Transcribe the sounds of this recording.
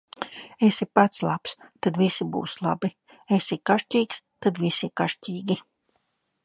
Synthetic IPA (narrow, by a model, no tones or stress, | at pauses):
esipat̪slˠapst̪ad̪visibṵːslˠa̰bi | esikaʃcʲiːks | t̪ad̪visikaʃcʲiːɡʲi